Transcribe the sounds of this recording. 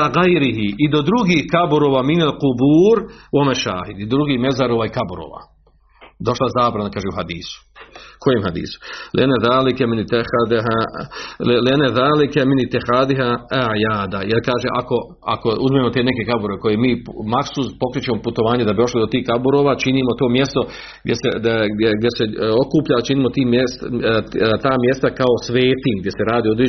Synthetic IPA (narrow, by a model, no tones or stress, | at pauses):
ɣajɾiɦiid̪o̞d̪ɾuɡiːhkabuɾoːʋaːminalqubuːɾwamaʃa̰ːhid̪id̪d̪ɾuɡiːhme̞zaɾoːʋaːikabuɾo̰ːʋa̰ | d̪o̞ʃlazaːbɾanakaːʒeuhad̪iːsu̥kʰo̞jeːmhad̪ḭːsu̥lḭʔanːaðaːlikɛmɪnit̪ːixad̪ɦa | lianːaðaːlikɛminit̪ːixaːd̪iɦajaːd̪ajelkaːʒeʔako̞ | a̰ko̞uzmeːmo̞t̪e̞ːne̞ke̞kabuɾeko̞jemiːmaksuspo̞kɾit͡ɕe̞moput̪o̞ʋaːɲed̪abid̪o̞ʃlid̪o̞t̪iːhkabuɾoːʋaːt͡ʃiniːmo̞t̪oːmje̞st̪o̞ | ɡdʲjesed̪eɡd̪ʲjeseokuːpʎat͡ʃiniːmo̞t̪iːmjes | t̪aːmje̞st̪akao̞sʋe̞ːt̪iːmɡd̪ʲjese̞ɾaːd̪iod̪ɾi